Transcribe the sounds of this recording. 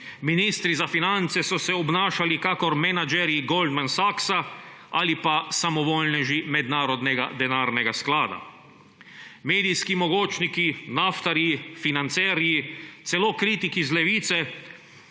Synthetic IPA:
miniːst̪ɾizafinant̪sɛsɔsɛɔbnaːʃalikakɔɾmɛnad͡ʒɛɾjiɡold̪mansaksa | alipasamɔʋoːlnɛʒimɛd̪naːɾod̪nɛɡa̰d̪ɛnaːɾnɛɡasklaːd̪a̰ | meːd̪ijskimoɡoːt͡ʃnikinaft̪aɾifinant̪sɛɾit̪sɛlokɾiːt̪ikizlɛʋiːt̪sɛ

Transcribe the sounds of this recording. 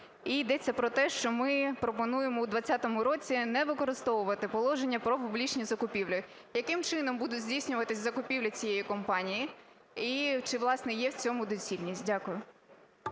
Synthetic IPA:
ijd̪ɛt͡sʲːɐpɾɔt̪ɛʃt͡ʃɔmɪpɾɔpɔnujemɔwd̪ʋɐt͡sʲːat̪ɔmʊɾɔt͡sʲinɛʋɪkɔɾɪst̪ɔʋʊʋɐt̪ɪpɔlˠɔʒenʲːɐpɾɔpʊblʲit͡ʃnʲizɐkʊpʲiwlʲɪ | jɐkɪmt͡ʃɪnɔmbud̪ʊdʲzʲdʲisʲnʲʊʋɐt̪ɪsʲzɐkʊpʲiwlʲɐt͡sʲijejikɔmpɑnʲiji | it͡ʃɪʋlˠɑsnɛjɛwt͡sʲɔmʊd̪ɔt͡sʲilʲnʲisʲtʲdʲakʊjʊ

